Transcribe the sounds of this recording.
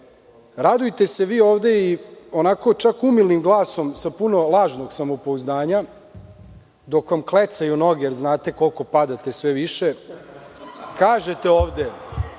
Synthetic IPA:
ɾad̪ujt̪e̞se̞ʋiːoːʋd̪e̞io̞nako̞t͡ʃakumilnimɡlˠaːsomsapuno̞lˠaːʒno̞ɡsamopouzd̪aːɲa | d̪o̞kʋamklet̪sajuno̞ɡeɾznaːt̪e̞ko̞lˠko̞pad̪at̪esʋeʋiʃe | kaːʒe̞t̪e̞oːʋd̪e

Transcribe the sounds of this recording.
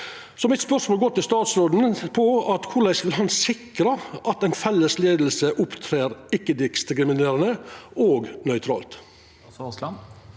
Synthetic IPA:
sɔmɪt̪spœʂmoːlɡɔt̪ːɪst̪ɑːt̪sɾoːd̪n̩pʰɔɑt̪kʰʊlæɪsʋɪlɦɑnsɪkɾəʔɑt̪ɛɪnfɛlːəsleːd̪l̩səʔʊpt̪ʰɾeːɾɪkːəd̪ɪkst̪kɾɪmɪneːɾənəoːɡnœʏt̪ʰɾɑ̰ːlt̪

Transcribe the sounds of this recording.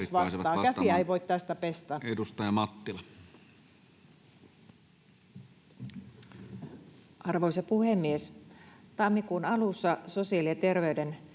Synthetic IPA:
iʋɑsɑːkæsiæeiʋoit̪t̪æst̪æpest̪æːedust̪ɑjɑmɑt̪ːilɑ | ʔɑrʋoisɑpuhemːiest̪ɑmːikuːnɑlusːɑsosiɑliet̪e̞rʋeyden

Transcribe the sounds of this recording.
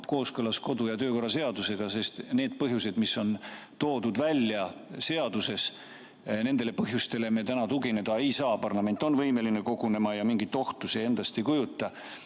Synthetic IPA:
ko̞ːskɤlɑsko̞d̪ujɑt̪ø̞ːko̞rːɑse̞ɑd̪use̞ɡ̥ɑse̞st̪ne̞ːd̪̥̚pɤɦjuse̞d̪misːo̞n | t̪o̞ːd̪ud̪vælʲːjɑse̞ɑd̪̥use̞s | ne̞nd̪̥e̞le̞pɤɦjust̪e̞le̞me̞t̪ænɑt̪uɡine̞d̪̥ɑe̞jsɑːpɑrlɑme̞nʲt̪ːˑo̞nvɤjme̞lineko̞ɡune̞mɑjɑmiŋɡ̥it̪ːˑo̞ht̪usie̞nd̪̥ɑst̪ejkujut̪ːˑɑ

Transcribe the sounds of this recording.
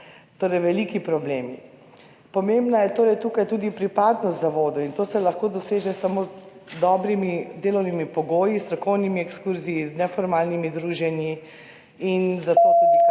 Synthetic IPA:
t̪oːɾɛjʋɛliːkipɾɔbleːmi | pɔmembnajɛt̪oːɾɛjt̪uːkajt̪uːd̪ipɾipaːd̪nɔst̪zaʋoːd̪ɔint̪oːsɛlɐxkoːd̪ɔseːʒɛsamoːz | d̪ɔːbɾimid̪eːlɔwnimipɔɡoːjist̪ɾɔkɔwnimiɛkskuɾziːznɛfɔɾmaːlnimid̪ɾuːʒɛnji | inzat̪o

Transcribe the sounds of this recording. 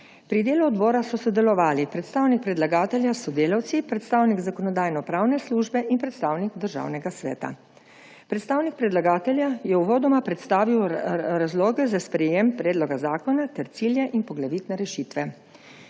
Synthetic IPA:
pɾid̪eːluɔd̪bɔːɾasɔsɔd̪ɛlɔʋaːlipɾɛt̪st̪aːwnik̚pɾɛd̪laɡaːt̪ɛljasɔd̪eːlawt̪sipɾɛt̪st̪awniɡzakɔnɔd̪aːjnɔpɾaːwnɛsluʒbɛʔinpɾɛt̪st̪aːwniɡd̪əɾʒa̰wnɛɡasʋɛ̰ːt̪a̰ | pɾɛt̪st̪aːwnik̚pɾɛd̪laɡaːt̪ɛlʲjajɛuʋɔːd̪ɔmapɾɛt̪st̪aːʋiwɾazloːɡɛzaspɾɛjeːmpɾɛːd̪lɔɡazaːkɔnat̪ɛɾt̪siːljɛʔinpɔɡlaʋit̪nɛɾɛʃit̪ʋɛ

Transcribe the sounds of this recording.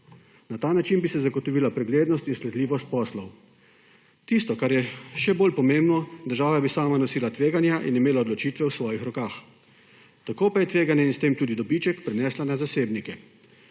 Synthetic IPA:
nat̪aːnat͡ʃinbisɛzaɡɔt̪ɔʋiːlapɾɛɡleːd̪nɔst̪insklɛd̪liːʋɔst̪̚pɔːslɔw | t̪ist̪ɔkaɾjɛʃɛboːlpɔmembnɔd̪əɾʒaːʋabisaːmanɔsiːlat̪ʋeːɡanjaʔḭnimeːlaɔd̪lɔt͡ʃiːt̪ʋɛwsʋɔːjixɾɔkaːx | t̪akoːpajɛt̪ʋeːɡanjɛinst̪eːmt̪uːd̪id̪ɔbiːt͡ʃɛkpɾɛnɛːslanazaseːbnikɛ

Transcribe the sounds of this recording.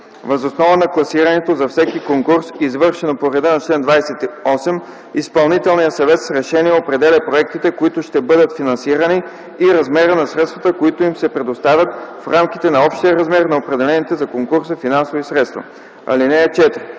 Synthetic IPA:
vɐzosnɔvənɐklˠɐsiɾɐnɛt̪ozɐfsɛkikoŋkuɾsizvɤɾʃɛnopoɾɛd̪anɐt͡ʃlɛnd̪vajsɛt̪iɔsɛm | ispɐlˠnit̪ɛlˠnijəsɐvɛt̪sɾɛʃɛniɛopɾɛd̪ɛlʲɐpɾoɛk̚t̪it̪ɛkoit̪ʊʃt̪ɛbɤd̪ət̪finɐ̃nsiɾɐniː | ɾɐzmɛɾənɐsɾɛt̪st̪vɐt̪əkoit̪oimsɛpɾɛd̪ost̪avʲjət̪fɾamkit̪ɛnɐɔpʃt̪iəɾɐzmɛɾnɐopɾɛd̪ɛlɛnit̪ɛzɐkoŋkuɾsəfinansovoisɾɛt̪st̪vɐ̰ | ɐ̰linɛɛt͡ʃɛt̪ɾi

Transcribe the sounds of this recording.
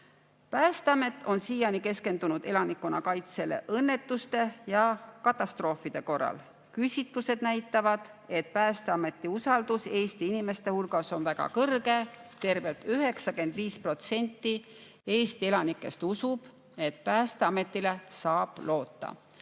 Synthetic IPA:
pæːst̪eɑme̞t̪ːˑo̞nsiːjɑnike̞ske̞nd̪unud̪̥e̞lɑnikːˑunɑkɑjt̪se̞le̞̰ʔɤnːe̞t̪ːˑust̪e̞jɑkɑt̪ˑːɑst̪ro̞ːfˑid̪̥e̞ko̞rːɑ̰l | kysʲit̪luse̞d̪̥næjt̪ːˑɑvɑd̪̥ | e̞t̪̚pæːst̪eɑme̞t̪ːiusɑld̪̥use̞ːst̪iinime̞st̪e̞hulɡ̥ɑso̞nvæɡ̥ɑ̰kɤrɡe̞t̪e̞rve̞lt̪yɦe̞ksɑke̞nd̪̥viːspro̞t̪se̞nʲt̪ːi | e̞ːst̪ie̞lɑnikːˑe̞st̪usub̥ | e̞t̪̚pæːst̪eɑme̞t̪ːˑile̞sɑːb̥lo̞ːt̪ːˑɑ̰

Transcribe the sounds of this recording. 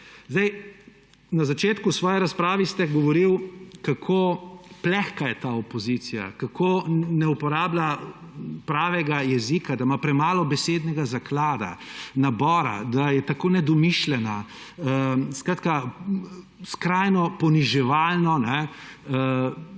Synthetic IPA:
zd̪ɛj | nazat͡ʃeːt̪kusʋɔːjɛɾaspɾaːʋist̪ɛɡɔʋɔɾiwkakʰoplɛxkajɛt̪aɔpɔzit̪sija̰kakʰoːnɛupɔɾaːbla | pɾaːʋɛɡajɛzikad̪amapɾɛmaːlɔbɛseːd̪nɛɡazaklaːd̪a̰nabɔːɾa̰d̪ajɛt̪akoːnɛd̪ɔmiʃlɛna | skɾaːt̪ka | skɾajnɔpɔniʒɛʋaːlnɔnɛ

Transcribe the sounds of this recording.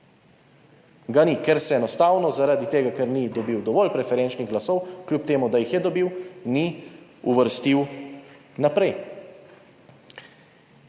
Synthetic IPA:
ɡanikɛɾsɛɛnɔst̪aːwnɔzaɾad̪it̪eːɡakɛɾnid̪ɔbiwd̪ɔʋɔlpɾɛfɛɾɛnt͡ʃniɣɡlasɔwklʲjup̚t̪eːmud̪ajixjɛd̪ɔbiwniuʋəɾst̪iw | napɾɛj

